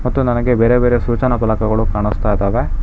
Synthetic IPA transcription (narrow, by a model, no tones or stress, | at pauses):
mɐt̪ːunɐnɐɡebeːɾebeːɾesuːt͡ʃɐnɐpɐlɐkɐɡɐɭukaːɳust̪ajd̪aːʋe